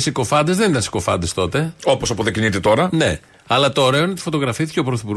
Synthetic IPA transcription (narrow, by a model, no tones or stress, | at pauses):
siko̞fɐnd̪e̞zðenit̪ɐnsi̥ko̞fɐ̰nd̪e̞st̪o̞t̪e̞o̞posɐpoðecinit̪et̪o̞ɾɐne̞̰ | ɐlɐt̪o̞ːɾeoinot̪ifo̞t̪o̞ɣɾɐfiθi̥ce̞opɾoθipuɾ